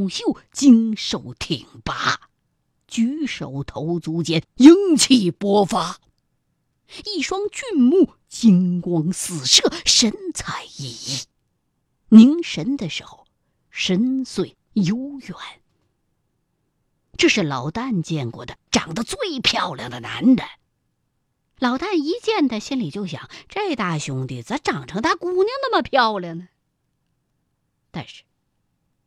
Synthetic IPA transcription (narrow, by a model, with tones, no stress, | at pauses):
ɕjo˥˩ʊt͡ɕi˥ŋʂo˥˩ʊt̪ʰi˨˩ŋpa˥ | t͡ɕy˧˥ʂo˨˩ʊt̪ʰo˧˥ʊt͡su˧˥t͡ɕjɛ˥nji˥ŋt͡ɕʰi˥˩pwɔ˥fa˥ | i˥˩ʂwɑ˥ŋt͡ɕy˥˧nmu˥˩ | t͡ɕi˥ŋkwɑ˥ŋsɹ̩˨˩ʂɤ˥˩ʂə˧˥nt͡sʰa˧˩ɪi˥˩i˥˩ | ni˧˥ŋʂə˧˥nd̪ə˨˧ʂɻ̩˧˨˩xo˩˧ʊ | ʂə˧˥nswe˥˩ɪ | jo˥ʊjɛ˨˩˦n | ʈ͡ʂɤ˥˧ʂɻ̩˥˩lɑ˨˩ʊt̪a˥˩nt͡ɕjɛ˥˧nkwɔ̰˥˩d̪ə˩ʈ͡ʂɑ̰˨˩ŋd̪ə˦t͡swe˥˩ɪpʰjɑ˥˧ʊljɑ̰˨˩ŋd̪ə˩na̰˧˥nɻə˨˩˦n | lɑ˨˩ʊt̪a˥˩ni˧˥t͡ɕjɛ˥˧nt͡s̪a˥˩ɪɕi˥nli˨˩t͡ɕjo˥˩ʊɕjɑ̰˨˩˦ŋʈ͡ʂa˥˧ɪt̪a˥˩ɕjʊ˥ŋt̪i˥˩t͡sa˧˥ɪʈ͡ʂɑ˨˩ŋʈ͡ʂʰɤ˧˥ŋt̪ʰa˥ku˧˥nji˥˧ŋna˥˩mə˩pʰjɑ˥˧ʊljɑ˨˩ŋə | t̪a˥˧nʂɻ̩̥˥˩